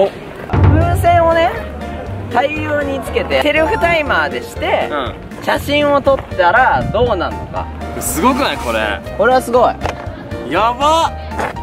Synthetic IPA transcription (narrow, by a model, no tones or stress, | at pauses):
o | bɯ̟̃ɰ̃sẽ̞ɰ̃o̞ne̞ | t̪aioːɲ̟it͡sɨ̥ke̞t̪e̞teɾʲɯɸɯ̟t̪aimaːd̪e̞ɕi̥t̪e̞ɯ̰̃ | ɕaɕĩɰ̃o̞t̪o̞t̪ːaɾad̪o̞ːnano̞̰ka̰sɨɡo̞kɯ̟naiko̞ɾḛko̞ɾe̞βasɨɡo̞i | jaβa